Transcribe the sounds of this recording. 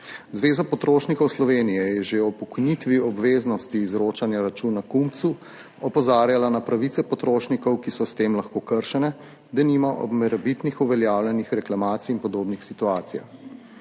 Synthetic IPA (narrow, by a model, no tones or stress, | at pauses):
zʋeːzapɔt̪ɾoːʃnikɔwslɔʋeːnijɛjɛʒeɔpɔkɔjnit̪ʋiɔbʋeːznɔst̪iːzɾoːt͡ʃanjaɾat͡ʃuːnakumt̪su | ɔpɔzaːɾjalanapɾaʋit̪sɛpɔt̪ɾoːʃnikɔwkisɔst̪eːmlaxkoːkəɾʃɛnɛ | d̪ɛniːmaʔɔ̰bmɛɾɛbit̪nixuʋɛljaːwljɛnixɾɛklamaːt̪siːnpɔd̪oːbnixsit̪uaːt̪sija̰x